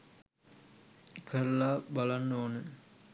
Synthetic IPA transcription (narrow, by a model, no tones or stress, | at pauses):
kʰəɾəlaːbalanːonə